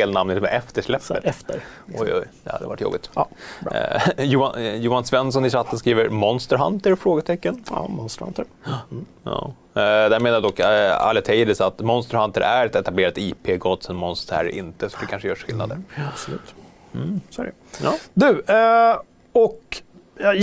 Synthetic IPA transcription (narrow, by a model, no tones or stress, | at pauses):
eːlnamnɪt̪mɛʔɛft̪əʂlɛpːət̪əɾɔjɔ̰jd̪ɛha̰d̪ːə̰va̰ʈːjɔ̰bɪt̪ː | juːjuːhansvɛnːsɔnɪs̬at̪ːənskɾiːvəɾmɔnst̪əɾɦa̰nt̪əɾfɾoːɡət̪ʰɛkːənmɔnst̪əha̰nt̪əɾ | ɑ̰ː | d̪ɛæɾmeːnaɾd̪ɔkːa̰lːɛt̪ʰɛɪd̪ɪsat̪mɔnst̪əɾhant̪əɾʔæɾɛt̪ɛt̪ableːɾat̪iːpʰeːɡɔt̪ːsɛnmɔnst̪əɾæ̰ɾʔɪ̰nt̪əsɔd̪ɛkʰanʂəjœːʂɧɪlna̰d̪əɾbslʉ̟ːt̪ | m̩sæ̰ɾ | d̪ʉ̟ː | ɔk